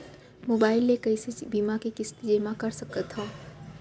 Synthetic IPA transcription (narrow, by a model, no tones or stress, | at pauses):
moːbaːɪlːekɐisebiːmakekɪst̪d͡ʒemãkɐɾsɐkət̪ɦõː